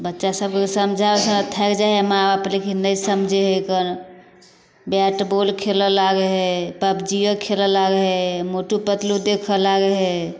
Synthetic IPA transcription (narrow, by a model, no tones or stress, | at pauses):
bətːʃasəbksəmd͡ʒʱabesəmet̪ʰɛkd͡ʒaɦemãəplikʰinəjsəmd͡ʒʱeɦejkən | baʈbolkʰeləlaɡeɦepəbd͡ʒiəkʰeləlaɡɦemoʈupət̪lud̪ekʰəlaɡeɦe